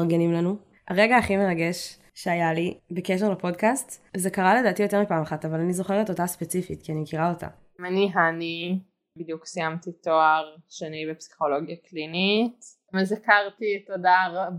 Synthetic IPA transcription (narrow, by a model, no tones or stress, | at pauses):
aʁɡenimlanu | aʁeɡaːχimeʁaɡeʃ | ʃeajalibekeʃeʁlapo̞dkastzekaʁale̞daːtijo̞te̞mipaːmaχatavalanizo̞χeʁetotaspet͡sifitkianimkiʁao̞ta̰ | maniɦani | bid̪juksijamt̪itoaʁʃanibepsi̥χoloɡjaklinit | mezakaʁt̪itodaʁ